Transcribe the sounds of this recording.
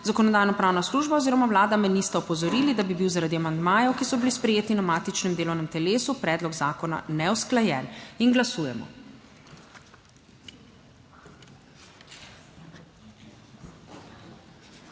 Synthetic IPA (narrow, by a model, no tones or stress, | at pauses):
zakɔnɔd̪aːjnɔpɾaːwnasluːʒbaɔziːɾɔmawlaːd̪amɛnist̪aɔpɔzɔɾiːlid̪abibiwzaɾad̪iamand̪maːjɔwkisɔbilispɾɛjeːt̪inamaːt̪it͡ʃnɛmd̪eːlɔwnɛmt̪ɛleːsupɾɛːd̪lɔɡzaːkɔna̰nɛwsklajɛːninɡlasuːjɛmɔ̰